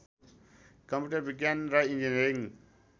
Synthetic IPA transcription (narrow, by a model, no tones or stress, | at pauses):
kə̃mpjuʈəɾbiɡjanɾaind͡ʒiniɾiŋ